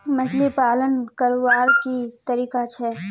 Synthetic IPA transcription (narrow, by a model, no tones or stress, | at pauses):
mɐslepaːlənkəɾʋaːɾkit̪ɐɾiːkat͡ʃʰɛː